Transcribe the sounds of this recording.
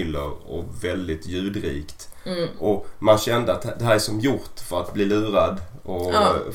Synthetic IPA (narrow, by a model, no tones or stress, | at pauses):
ɪlːə̰ɾɔvɛld̪ɪt̪ʰjʉ̟ːd̪ɾḭːkt̪ʔɔmanɕɛnd̪əat̪̚d̪ɛɦæːɾæʂɔmjʊɾt̪fœɾat̪̚bliːlʉ̟ːɾad̪ | ɔ